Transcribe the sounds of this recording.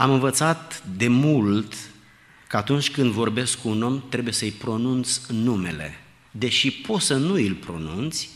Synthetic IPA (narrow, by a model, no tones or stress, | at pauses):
amɨnvət̪sat̪d̪e̞mult̪ | kəat̪unt͡ʃʲkɨnd̪vo̞rbe̞skːuno̞mt̪ɾe̞buje̞səjpɾo̞nunt̪sʲnume̞̰le̞̰ | d̪e̞ʃipo̞t̪sənuilpɾo̞̰nunt̪sʲ